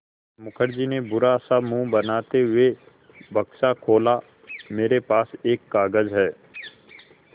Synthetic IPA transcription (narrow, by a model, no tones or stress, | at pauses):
mʊkʰəɾd͡ʒinebʊɾasamũbɐnaːt̪eɦʊe | bɐkʃakʰoːla | meːɾepaːseːkːaːɡəzɦɛː